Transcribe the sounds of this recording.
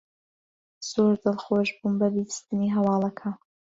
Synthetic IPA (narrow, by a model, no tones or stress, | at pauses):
z̥oːɾd̪ɨlˠxoʒbuːnbɐbiɾist̪ɨniɦɐwɑːlˠɐkʰan